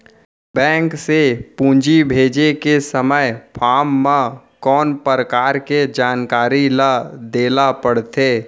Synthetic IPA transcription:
bɛ̃ːŋksepũːɲd͡ʒibʱeːd͡ʒekesəməjpʰaːmːã | kɔːnpɾəkaːɾked͡ʒaːnkaːɾilad̪eːlapəɽt̪eː

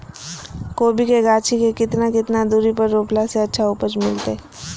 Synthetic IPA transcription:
koːbikeɡaːt͡ʃʰikekɪt̪nakɪt̪nad̪uːɾipɐɾːoːplaseɐtːʃʰauːpət͡ʃmɪlt̪e

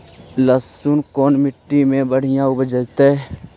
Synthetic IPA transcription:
ləssuːnkoːnmɪʈːimẽbəɽ̤ɪjãʊbd͡ʒət̪e

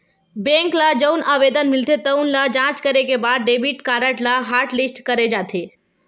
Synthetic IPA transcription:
bẽŋkləd͡ʒəʊnʔabed̪ənmilt̪ʰet̪əʊnləd͡ʒãt͡ʃkəɾekebad̪̚ɖebiʈkaɾəʈlaɦaɾʈlisʈkəɾed͡ʒat̪ʰe

